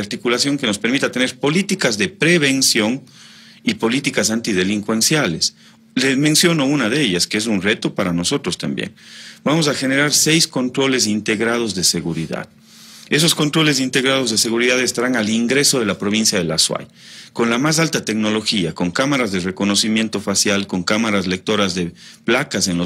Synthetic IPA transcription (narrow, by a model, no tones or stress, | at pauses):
aɾt̪ikulasjo̞ŋke̞no̞spe̞ɾmit̪at̪ene̞ɾpo̞lit̪ikazðe̞pɾeβe̞nsjo̞ŋ | ipo̞lit̪ikasant̪ið̞e̞liŋkwe̞nsjales | lezmẽnsjo̞no̞unaðe̞ʎaskees̬unre̞t̪o̞paɾano̞so̞t̪ɾost̪ambjḛnbamo̞s̬axe̞ne̞ɾaɾse̞jsko̞nt̪ɾo̞le̞s̬int̪e̞ɣɾað̞o̞zðe̞seɣuɾiða̰ð | e̞s̬o̞sko̞nt̪ɾo̞le̞s̬int̪e̞ɣɾað̞o̞zðese̞ɣuɾiðaðe̞st̪aɾaŋaliŋɡɾe̞so̞ð̞e̞lapɾo̞β̞insjaðelaswa̰j | ko̞nlamas̬alt̪at̪e̞kno̞lo̞xiako̞ŋkamaɾazðere̞ko̞no̞simje̞nt̪ofasjalko̞ŋkamaɾazle̞k̚t̪o̞ɾazðe̞plakase̞nlo